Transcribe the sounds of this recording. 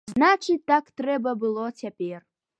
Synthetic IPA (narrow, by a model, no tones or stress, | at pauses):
znat͡ʂʰɨtːakt̪rɛbɐbɨlˠotʲʰapʲer